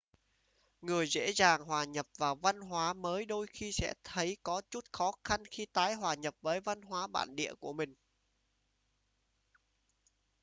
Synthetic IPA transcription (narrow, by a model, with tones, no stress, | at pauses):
ŋɨ˨˩əjzḛ˧˥zaː˨˩ŋɦwaː˨˩ɲə˨˩p̚vaː˨˩wva˧nɦwaː˨˦məː˨˦jɗo˧jxi˧sɛ̰˧˥t̪ʰə˨˦jkɔ˨˦t͡ɕu˦˥t̚xɔ˨˦xa˧nxi˧t̪aː˨˦jɦwaː˨˩ɲə˨˩p̚vəː˨˦jva˧nɦwaː˨˦ɓa̰ː˧˨nɗḭ˧˨əku˧˩əmï˨˩ŋ̟